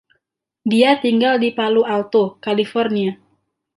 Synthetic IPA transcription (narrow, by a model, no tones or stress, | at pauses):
diat̪iŋɡaldipalualt̪okalifɔrnia